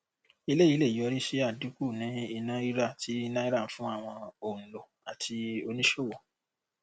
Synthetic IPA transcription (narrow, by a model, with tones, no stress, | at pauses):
i˧le˦˨i˨˦le˦˨ji˨˦ɔ˧ɾi˦ʃi˦a˦˨du˨˦ku˦˨nĩ˨˦i˧nã˦i˦ɾa˦˨ti˦i˦nã˦i˦ɾa˦˨˦fũ˦a˦˨w̃ɔ̃˧õ˨lo˨ | a˨tʰi˧o˧nĩ˦ʃo˦˨wɔ˨